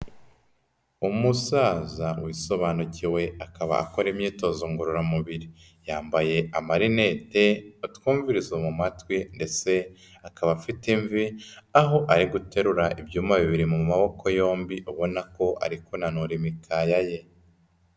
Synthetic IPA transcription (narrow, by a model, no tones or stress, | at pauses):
umusaːzawiso̞βaːnuciwe̞akaβa̰a̰ko̞ɾemɲiːto̞zoŋɡuɾuɾamuβiɾi | jaːmbaje̞amaɾine̞te̞utkuːɱviɾizomumatwinde̞t͡se̞ | akaβafitiɱviaɦo̞ʔaɾiɡute̞ɾuɾaʔibɟuːmaβiβiɾimumaβo̞kʰo̞jo̞ːmbiʔuβo̞nako̞ʔa̰ɾikunanuɾimikʰajaje̞